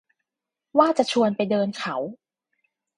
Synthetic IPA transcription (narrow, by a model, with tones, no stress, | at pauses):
waː˥˩t͡ɕa˨˩t͡ɕʰu˧ənpa˧jdɤː˧nkʰa˩˦w